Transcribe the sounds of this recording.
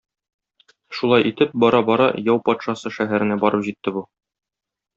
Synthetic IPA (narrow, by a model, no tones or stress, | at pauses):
ʃulˠɑjʔit̪ɘp̚bɒɾɑbɒɾɑjɒwpɒt̪ʃɑsɤʃæɦæɾɘ̆næbɒɾɤpʑit̪ːɘbu